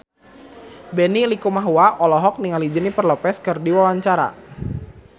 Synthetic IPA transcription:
bɛnilikumaɦuaʔɔlɔɦɔk̚niŋalid͡ʒənipərlɔpɛskɨrdiwawaɲt͡ʃaɾa̰

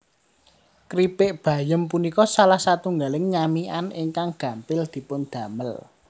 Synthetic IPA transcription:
kɾibɪʔb̥ä̤jəmpunikɔsalahsat̪uŋɡalɪŋɲamiʔanɪŋkaŋɡ̥ä̤mpɪld̪̥i̤pʊnd̪̥ä̤məl

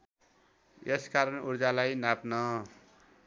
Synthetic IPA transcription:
eskaɾʌnuɾd͡zalajnapnʌ

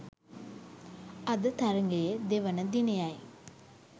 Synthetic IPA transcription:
ɐd̪ət̪ɐɾɐŋɡejed̪eʋɐnəd̪inejaj

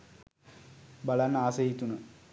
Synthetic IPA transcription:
balanːaːseɦit̪unə

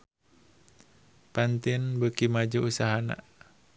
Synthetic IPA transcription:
pant̪ɪnbəkimad͡ʒuusaɦana̰

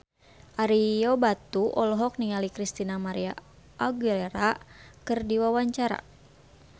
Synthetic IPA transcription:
ʔaɾijɔbat̪uʔɔlɔɦɔk̚niŋalikɾist̪inamaɾia̰ | aɡileɾakɨrdiwawaɲt͡ʃaɾa̰

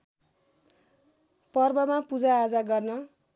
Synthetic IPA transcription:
pʌrbʌmapud͡zaːd͡zaɡʌrnʌ

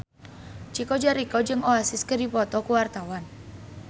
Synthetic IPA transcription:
t͡ʃikɔd͡ʒaɾikɔd͡ʒɨŋoasɪskədipɔt̪ɔkuwart̪awan

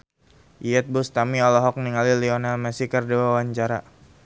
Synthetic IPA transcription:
ʔiɛt̪̚bust̪amiɔlɔɦɔk̚niŋalilionalmasikərdiwawaɲt͡ʃaɾa̰

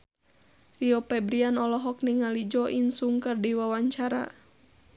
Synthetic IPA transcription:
riɔpɛbɾianɔlɔɦɔk̚niŋalid͡ʒɔʔinsuŋkərdiwawaɲt͡ʃaɾa̰

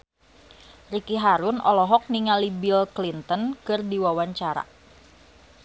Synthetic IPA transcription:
rikiɦaɾʊnɔlɔɦɔk̚niŋalibilklint̪ənkɨrdiwawaɲt͡ʃaɾa̰

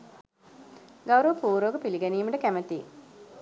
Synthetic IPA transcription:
ɡawɾəʋəpuːɾəʋɡəpiliɡæniːməʈəkæmət̪i

